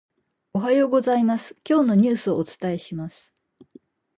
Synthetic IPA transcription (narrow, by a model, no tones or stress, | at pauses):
o̞ɦajoːɡo̞zaimasɨ̥kʲo̞ːno̞ɲ̟ɨːsɨoːt͡sɨ̥t̪ae̞ɕimasɨ̥